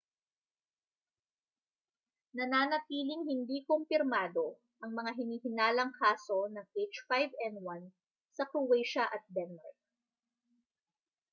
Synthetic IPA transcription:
nɐnaːnɐt̪iːlɪŋhɪnd̪ikompɪɾmaːd̪o̞ | ʔɐŋmɐŋaɦɪniːhɪnaːlɐŋkʰaːso̞nɐŋʔejt͡ʃfajvɛnwan | sɐkɾowɛjʃɐʔɐt̪̚bɛnma̰ɹk̚

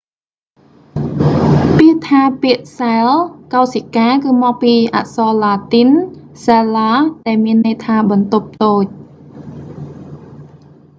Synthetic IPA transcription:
piət̪ʰaːpiəʔsaɛlkawsikaːkɨːmɔːk̚piːʔa̰ʔsɑːlaːt̪in | selaːɗaɛlmiənːɨjt̪ʰaːɓɑnt̪up̚t̪oːc̚

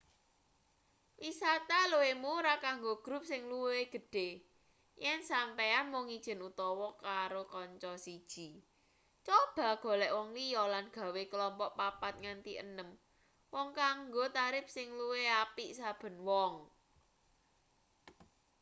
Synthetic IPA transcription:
wisat̪aluwemuɾakaŋɡoɡ̥ɾṳp̚sɪŋluweɡ̥ə̤ɖ̥e̤ | jɛnsampeanwɔŋid̥ʒ̥ə̤nut̪ɔwɔkaɾokɔɲt͡ʃɔsid̥ʒ̥i̤ | t͡ʃob̥a̤ɡ̥o̤lɛʔwɔŋlijɔlanɡ̥ä̤wekəlɔmpɔʔpapat̪̚ŋant̪iʔə̰nəm | wɔŋkaŋɡot̪aɾɪp̚sɪŋluweapiʔsab̥ə̤nwɔŋ

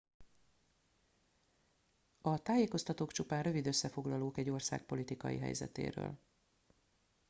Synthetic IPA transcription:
ɒt̪aːjeːko̞st̪ɒt̪oːkt͡ʃupaːnrø̞vid̪øsːɛfo̞ɡlɒloːkɛɟo̞rsa̰ːk̚po̞lit̪ikɒ̰jḭɦɛ̰jzɛ̰t̪ḛːɾø̰ːl

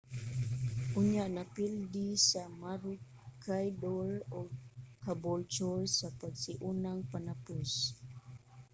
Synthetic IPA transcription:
ʔʊɲaʔnapildisamaɾʊ | kajdolʊɡ̚kabolt͡ʃɔlsapaɡsiʔunaŋpanapʊs

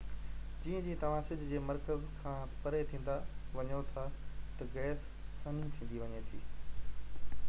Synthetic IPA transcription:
d͡ʑiːə̃d͡ʑĩːt̪ɐʋ̤ãsɪd͡ʑʱɪ̆d͡ʑeːmɐɾkəzkʰãːpɐɾet̪ʰĩːn̆d̪aʋɐɲot̪ʰat̪ɐɡɛːsː | ɐnĩt̪ʰĩːn̆d̪iʋɐɲet̪ʰiː

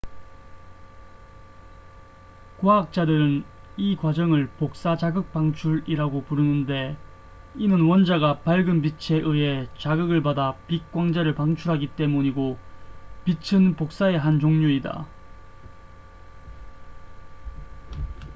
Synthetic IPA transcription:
kwaak̚t͡ɕ͈adɯɾɯn | ikwad͡ʑʌŋɯɭpok̚s͈ad͡ʑaɡɯk̚p͈aŋt͡ɕʰuɾiɾaɡopuɾɯnɯnde̞ | inɯnwʌnd͡ʑaɡapaɭɡɯnbit͡ɕʰe̞ʔɯe̞t͡ɕaɡɯɡɯɭbadapik̚k͈waŋd͡ʑaɾɯɭpaŋt͡ɕʰuɾɦaɡit͈e̞muɲiɡo | pit͡ɕʰɯnpok̚s͈ae̞ɦant͡ɕoŋɲuida̰

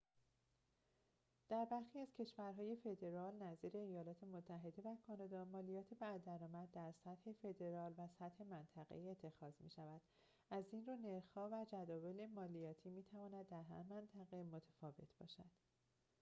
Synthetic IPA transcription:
d̪̥æɾbæɾxiæz̥cʰe̞ʃvæɾɦɒːje̞fe̞d̪e̞ɾɒːlnæziːɾe̞ːjɒːlɒːt̪ʰemot̪ʰːæɦe̞d̪e̞vækʰɒːnɒːd̪ɒːmɒːlijɒːt̪ʰebæd̪æɾɒːmæd̪̚ːæɾsæt̪he̞fe̞d̪e̞ɾɒːlvæsæt̪he̞mænt̪ʰæɣḛiet̪ʰːe̞xɒːzmiːʃævæd̪̥ | ʔæzinruːne̞ɾxhɒːvæd͡ʒæd̪ɒːve̞le̞mɒːlijɒːt̪ʰiːmiːt̪ʰævɒːnæd̪̚ːæɾɦæ̰ɾmænt̪ʰæɣe̞mo̞t̪ʰæ̥fɒːve̞̰t̪ʰb̥ɒ̰ːʃæd̪̥

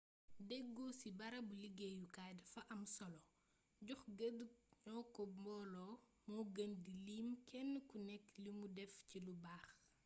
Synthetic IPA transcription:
dɛɡːɔsibɐɾɐbuliɡɛjukadɐfɐʔɐmsɔlɔ | ɟuxɡedup̚ɲɔːkɔmbɔːlɔ | mɔɡəndiliːmkʰɛnːəkunɛkːlimudɛfcilubaːx

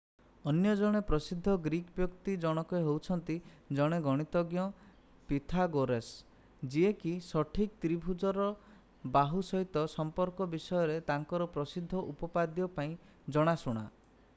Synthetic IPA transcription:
ɔnjɔd͡ʒɔɽ̃epɾɔsid̪ʱːɔɡɾikbjɔkt̪id͡ʒɔɽ̃ɔkɔeɦowt͡ʃʰɔnt̪id͡ʒɔɽ̃eɡɔɽ̃it̪ɔɡjɔ | pit̪ʰaɡoɾes | d͡ʒiekisɔʈʰik̚t̪ɾibʱud͡ʒɔɾɔ | baɦusɔɦit̪ɔsɔmpɔɾkɔbisɔjɔɾet̪aŋkɔɾɔpɾɔsid̪ʱːɔʔupɔpad̪jɔpaĩ | d͡ʒɔɽ̃asuɽ̃a̰

